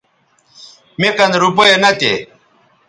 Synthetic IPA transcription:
mekɐnɾup̬ojenɐt̪ḛ

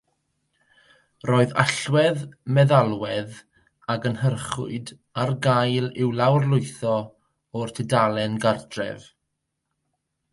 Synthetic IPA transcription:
roːɨða̰ɬwɛðmɛðalˠwɛð | aɡənhərχʊ̰ɨd | arɡajlɪwlˠawrlʊɨθɔ | ɔrtʰɛdalˠɛnɡardrɛ̰v

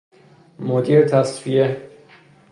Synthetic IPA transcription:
mod̪iːɾet̪ʰæsvije

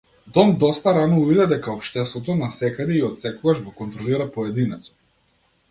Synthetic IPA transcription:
d̪ɔmd̪ɔst̪aɾanɔuvid̪ɛd̪ɛkaɔpʃt̪ɛst̪vɔt̪ɔnasɛkad̪ɛiɔt̪sɛkɔɡaʒɡɔkɔnt̪ɾɔliɾapɔɛd̪inɛt̪ɔ̥

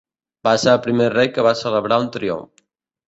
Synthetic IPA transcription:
baseɾəlpɾimerejkəβasələβɾaunt̪ɾio̰ɱf

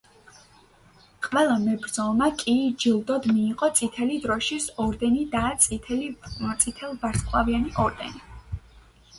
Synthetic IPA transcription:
qʼvɛlˠamɛbɾd̪zɔmakʼid͡ʒilˠd̪ɔd̪miːqʼɔt̪sʼit̪ʰɛlid̪ɾɔʃisɔɾd̪ɛnid̪at̪sʼilit̪sʼit̪ʰɛlˠvaɾskʼlˠavianiʔɔɾd̪ɛ̰ni

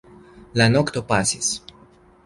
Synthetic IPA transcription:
lanokt̪opasis

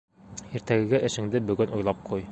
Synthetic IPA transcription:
iɾt̪æɡɘ̆ɡæʔɘ̆ʃɘ̆ŋd̪ɘbɵ̆ɡɵnʔujlˠɑp̚qʰuj

